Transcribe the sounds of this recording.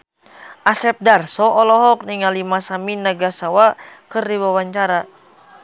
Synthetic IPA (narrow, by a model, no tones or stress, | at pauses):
ʔasɛp̚darsɔʔːlɔɦɔk̚niŋalimasaminaɡasawakɨrdiwawaɲt͡ʃaɾa